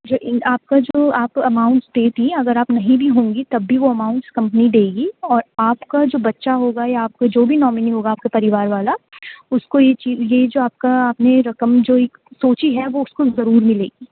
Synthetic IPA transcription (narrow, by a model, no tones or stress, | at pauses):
d͡ʒoːʔɪaːp̚kad͡ʒoːaːpɐmaːʊ̃ɳʈsd̪eːt̪ĩɐɡəɾaːpnɐɦĩbʱiɦõːŋɡit̪ɐbːiʋoɐmaːʊ̃ɳʈskɐ̃mpənid̪eːɡiɔːɾaːpkad͡ʒoːbɐtːʃaɦoːɡajaaːp̚kad͡ʒoːbʱinɔːmɪniɦoːɡaːp̚kepɐɾɪʋaːɾʋaːlaʊskojet͡ʃiːzjed͡ʒoːaːp̚kaːpneɾɐkəmd͡ʒoːeːk | soːt͡ʃiɦɛʋoʊskozɐɾuːɾmɪleːɡiː